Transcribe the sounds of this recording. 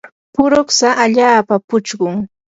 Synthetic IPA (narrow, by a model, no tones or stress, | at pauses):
pʊɾoχsaʔaʎaːpapʊt͡ʃɢʊŋ